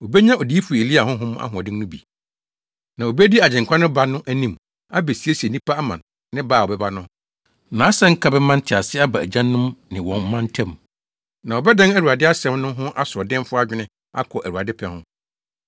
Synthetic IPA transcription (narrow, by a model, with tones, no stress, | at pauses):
o˨bɛ˦ɲã˦ɔ˨di˦i˦fu˨e˨li˦a˨hɦʊ̃˦ɦʊ̃˦ma̰˦ɦʊ̃˨ɔ˨dɪ̃˦nʊ̃˦bḭ˨ | nã˨o˨bɛ˦di˦a˨d͡ʑɛ̃˨ŋ˨kʰʷã˦nʊ̃˦ba˨nʊ̃˦ʔæ˦nĩ˦m | a˦be˨si˨˦e˦si˨e˨nĩ˦pʰa˦a˦mã̰˨nː | ɪ̃˦baː˦˨ɔ˨bɛ˦ba˦nʊ̃˦ | nãː˨˦sã˦ŋ̩˦kʰa˦bɛ˦mã˦n̩˦tʰɪ˨a˨sɪ˦a˦ba˨æ̰˨d͡ʑã˦nːʊ̃˦mnɪ̃˨wɔ̃˨nm̩˦mã˦n˦tʰɛ̃˦m | nã˨ɔ˨bɛ˦dã˦næ˦ɾu˨a˨dɪ˦a˦sɛ̃˦mnʊ̃˦ɦʊ̃˦ʔa˦sʊ˨ɔ˨dɪ̃˦m˦fʊ˦a˦d͡ʑᶣɪ˦nɪ̃˦ | a̰˦kʰɔ˨ʔæ˨wu˨a˨dɪ˦pʰɛ˨hʊ̰̃˦